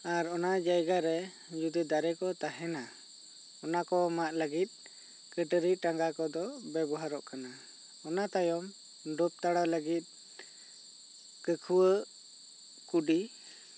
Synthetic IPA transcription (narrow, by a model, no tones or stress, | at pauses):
aɾɔnad͡ʒajɡaɾɛ | d͡ʒud̪id̪aɾɛkɔt̪aɦɛna | ɔnakɔmaʔləɡit̪̚ | kəʈəɾiʈaŋɡakɔd̪ɔbɛbɔɦaɾɔʔkana | ɔnat̪ajɔm | ɖɔp̚t̪aɽaləɡit̪̚ˀ | kəkʰuwə | kuɖi